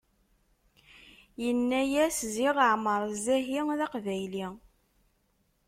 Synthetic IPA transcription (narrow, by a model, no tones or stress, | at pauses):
jənːæjæsziʁəʕməɾˤzæɦiðɑqvæjli